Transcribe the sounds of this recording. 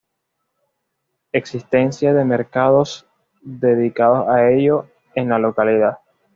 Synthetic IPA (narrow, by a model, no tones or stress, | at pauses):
e̞ksist̪e̞nsjaðe̞me̞ɾkaðo̞s | ðe̞ðikaðo̞sae̞ʝo̞ | e̞nlalo̞kaliða